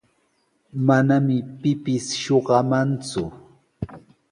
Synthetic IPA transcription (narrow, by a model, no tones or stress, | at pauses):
manamɪpɪpɪsʃoɢɑmant͡sʊ